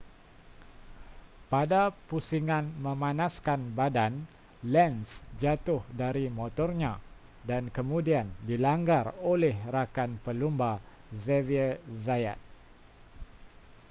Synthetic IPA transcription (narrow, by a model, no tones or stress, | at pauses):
padapusiŋãnmə̃mãnãskanbadan | lɛnsd͡ʒat̪ʊhdaɾimot̪ɔrɲã | dankəmũdiandilaŋɡarolɛhrakanpəlumba | zɛviəzaja̰t̪̚